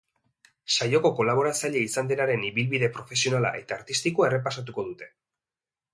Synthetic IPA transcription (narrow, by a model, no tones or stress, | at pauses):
sajo̞ko̞ko̞laβ̞o̞ɾat͡saʎe̞isand̪e̞naɾe̞niβilβiðe̞pɾo̞fe̞sio̞nala̰ʔe̞t̪aːɾt̪ist̪ikue̞re̞pasat̪̬uko̞ðut̪e̞̥